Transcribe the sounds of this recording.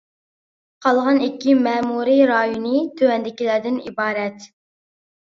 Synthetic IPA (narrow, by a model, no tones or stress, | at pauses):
qʰɑlˠʁɑnɪkʲːimɛːmuɾiɾɑːjunɨt̪ʰøwɛnd̪ɪkʲilæɾd̪ɪnḭbɑːɾɛt̪